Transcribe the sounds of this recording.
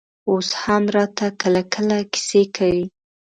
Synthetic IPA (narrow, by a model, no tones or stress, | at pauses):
oshamɾɑt̪akəlakʰəlakɪ̥sekʰawi